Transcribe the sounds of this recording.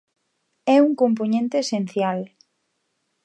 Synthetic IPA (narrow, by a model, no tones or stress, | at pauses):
ɛuŋkomp̬onẽnt̪eːsen̟θjal